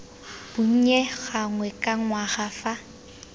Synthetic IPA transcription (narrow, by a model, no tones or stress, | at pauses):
b̥ʊɲ̩ɲeɣaŋwɛkʼaŋwaχafa